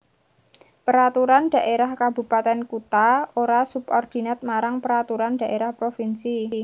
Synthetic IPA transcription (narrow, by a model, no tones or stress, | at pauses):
pəɾat̪uɾanɖ̥a̤ʔeɾahkabṳpat̪ɛnkut̪aoɾasupɔrd̪̥i̤nat̪̚maɾaŋpəɾat̪uɾand̥a̤ʔeɾahpɾofinsi